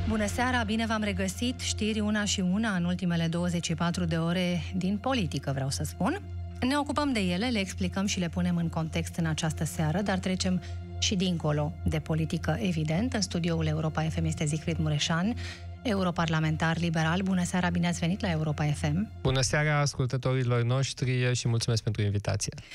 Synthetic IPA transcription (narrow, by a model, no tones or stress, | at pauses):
bunəseaɾabine̞vamre̞ɡəsit̪ʃt̪irʲunaʃiunaɨnult̪ime̞le̞d̪o̞wəze̞t͡ʃʃipat̪ɾud̪e̞o̞ɾe̞d̪inpo̞lit̪ikəvɾeawsəspun | ne̞o̞kupəmd̪e̞je̞le̞le̞ːksplikəmʃile̞pune̞mɨŋko̞nt̪e̞kst̪ɨnat͡ʃast̪əseaɾəd̪art̪ɾe̞t͡ʃe̞m | ʃid̪iŋko̞lo̞d̪e̞po̞lit̪ikəʔe̞vid̪e̞nt̪ɨnst̪ud̪io̞ule̞uɾo̞pae̞fe̞mje̞st̪ezikfɾit̪muɾe̞ʃan | e̞uɾo̞parlame̞nt̪arlibe̞ɾalbunəseaɾabineat̪sʲve̞nit̪lae̞uɾo̞pae̞fe̞mb̥unəseaɾaːskult̪ət̪o̞ɾilo̞rno̞ʃt̪ɾieʃimult̪sumeskpe̞nt̪ɾuinvit̪a̰t̪sije